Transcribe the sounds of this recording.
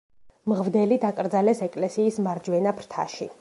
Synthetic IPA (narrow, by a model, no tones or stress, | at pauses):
mʁvd̪ɛlid̪akʼɾd̪zalɛsɛkʼlɛsiːsmaɾd͡ʒwɛnapʰɾt̪ʰa̰ʃḭ